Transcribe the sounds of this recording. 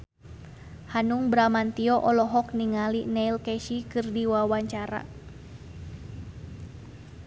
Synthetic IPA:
hanuŋbɾamant̪iɔʔɔlɔɦɔkniŋalinɛilkɛʃikɨrdiwawaɲt͡ʃaɾa̰

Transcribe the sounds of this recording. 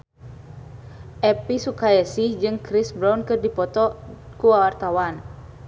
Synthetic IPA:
ʔɛpisukaɛsid͡ʒɨŋkɾisbɾawnkɨrdipɔt̪ɔ | kuwawart̪awan

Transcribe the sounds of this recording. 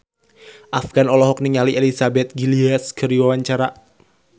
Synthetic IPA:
ʔafɡ̥anɔlɔɦɔk̚niŋaliʔelisabɛt̪̚ɡiliaskʰəɾiwawaɲt͡ʃaɾa

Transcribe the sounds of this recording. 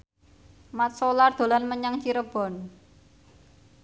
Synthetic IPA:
mat̪̚solard̪̥o̤lanməɲaŋt͡ʃiɾəb̥ɔ̤n

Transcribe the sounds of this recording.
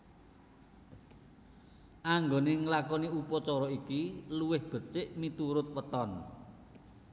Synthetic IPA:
ʔaŋɡoneŋlakɔniupɔt͡ʃɔɾɔikiluwɪhb̥ə̤t͡ʃɪʔmit̪uɾʊt̪̚wət̪ɔn

